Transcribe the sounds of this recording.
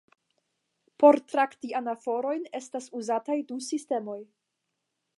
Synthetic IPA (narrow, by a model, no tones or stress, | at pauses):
po̞ɾtɾaktianafo̞ɾo̞jne̞stasuzatajdusiste̞mo̞j